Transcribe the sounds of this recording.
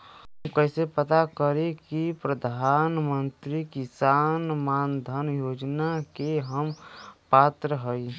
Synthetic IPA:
ɦəmkəɦsepət̪akəɾekipɾəd̪ʱaːnmənt̪ɾikisanmaːnd̪ʱənjoːd͡ʒnakeɦəmpaːt̪ɾəɦəi

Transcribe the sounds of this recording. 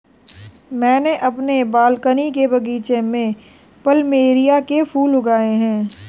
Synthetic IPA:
mɛ̃ːneʔɐpnebaːlkənikebɐɡiːt͡ʃemẽ | pəlmeːɾijakepʰuːlʊɡaːeɦɛ̃ː

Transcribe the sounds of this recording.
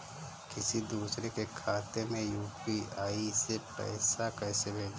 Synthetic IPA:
kɪsid̪uːsɾekekʰaːt̪emẽjuːpiaːisepɛ̰ːsakɛːsebʱeːd͡ʒ

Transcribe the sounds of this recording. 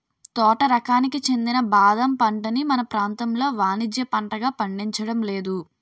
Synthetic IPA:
t̪ɔːʈɐɾɐkaːnikit͡ʃe̞nd̪inɐbaːd̪ɐmpɐɳʈɐnimɐnɐpɾaːnt̪ɐmlo̞ːʋaːnid͡ʒ̪jɐpɐɳʈɐɡaːpɐɳɖiɲt͡ʃɐɽɐmle̞ːd̪u

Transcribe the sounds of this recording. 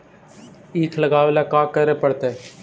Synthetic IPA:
iːkʰləɡaːʋelaːkaːkəɾeːpəɽt̪eɛ

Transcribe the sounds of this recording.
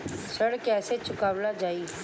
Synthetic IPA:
səɽkɛːset͡ʃʊkaːʋlad͡ʒaːiː

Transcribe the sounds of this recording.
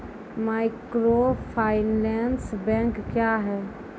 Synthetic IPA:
maːɪkɾopʰaːɪnɛnsbɛ̃ːŋkːjaɦɛː

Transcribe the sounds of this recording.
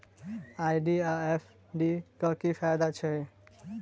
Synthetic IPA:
ajɖiaepʰ | ɖikʌkipʰajd̪at͡ʃʰe

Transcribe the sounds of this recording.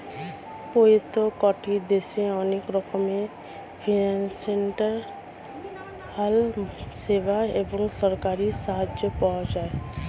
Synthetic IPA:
pojot̪okɔʈid̪eʃeɔnekɾɔkome | pʰinanseɳʈaɾ | halsebaeboŋsɔɾkaɾiʃaɦad͡ʒopawad͡ʒae

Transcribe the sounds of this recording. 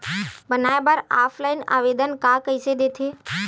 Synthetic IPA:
bənaːjebəɾaːpʰlaːɪna̰ːʋeːd̪ənkaːkəised̪eːt̪ʰeː

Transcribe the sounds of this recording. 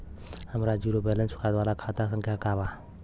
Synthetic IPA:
həmɾad͡ʒuɾobɛlənsʊ̥kʰat̪ʋalakʰat̪asə̃ŋkʰjakaba

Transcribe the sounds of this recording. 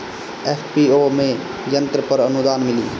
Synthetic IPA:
eːfʰpiːomẽ | jə̃nt̪ɾəpəɾənʊd̪aːnmɪlḭː

